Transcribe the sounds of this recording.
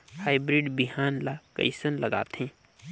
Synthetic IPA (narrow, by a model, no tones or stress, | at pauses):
haːɪbɾɪɖbiɦaːnlakə̰ɪsənlɐɡa̰ːt̪ɦẽː